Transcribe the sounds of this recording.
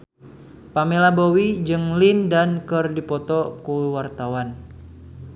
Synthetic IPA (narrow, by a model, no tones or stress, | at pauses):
pamelabowid͡ʒɨŋlindankɨrdipɔt̪ɔkuwart̪awan